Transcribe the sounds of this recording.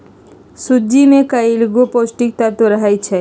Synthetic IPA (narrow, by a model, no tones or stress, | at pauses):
sud͡ʒimekailɡoposʈik̚t̪at̪oɾəɦajt͡ʃʰe